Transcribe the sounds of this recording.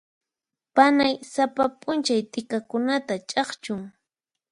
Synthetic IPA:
panajsapapʼʊnt͡ʃajt̪ɪkakʊnat̪at͡ʃʼɑχt͡ʃʊŋ

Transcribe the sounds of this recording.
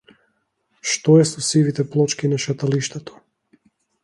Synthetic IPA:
ʃt̪ɔɛsɔsivit̪ɛplˠɔt͡ʃkinaʃat̪aliʃt̪ɛt̪ɔ̥

